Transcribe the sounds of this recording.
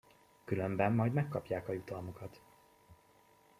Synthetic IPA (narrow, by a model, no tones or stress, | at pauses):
kylømbɛmːɒjd̪mɛkːɒpjaːkɒjut̪ɒlmokɒt̪